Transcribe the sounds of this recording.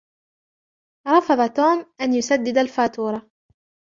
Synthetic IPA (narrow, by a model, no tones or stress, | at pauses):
ɾˤɑfɑðˤɑt̪oːmʔanjʊsad̪ːɪd̪alfaːt̪uːɾˤɑ